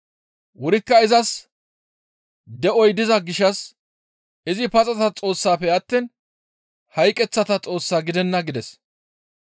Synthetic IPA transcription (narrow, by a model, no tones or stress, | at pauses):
wʊɾɪkːɐɪzɐs | d̪ɛɔjd̪ɪzɐɡɪʃɐs | ɪzɪpɐt͡sʼɐt̪ɐt͡sʼo̞ːsːaːpːɛɐt̪ːiːn | hɐjkʼɛt͡sːɐt̪ɐt͡sʼo̞ːsːaːɡɪd̪ɛnːɐɡɪd̪ɛs